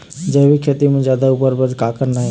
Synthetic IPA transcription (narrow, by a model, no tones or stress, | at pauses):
d͡ʒəɦbʱikʰet̪imẽd͡ʒjad̪aupəɾbəd̪ʱkakəɾna